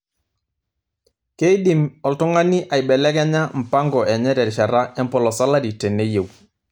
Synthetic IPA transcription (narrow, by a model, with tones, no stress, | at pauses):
ke˦i˦ɗi˨mɔ˨ltɔ˦ŋa˦ni˦ʔa˨jɓɛ˨lɛ˦kɛ˦ɲa˦m̩˨pa˦ŋɡɔ˨ʔɛ˨ɲɛ˦ɾɛ˨ɾʃa˨ɾa˦ɛ˦mpɔ˨lɔ˨sa˦la˦ɾi˨tɛ˨ne˦je˨w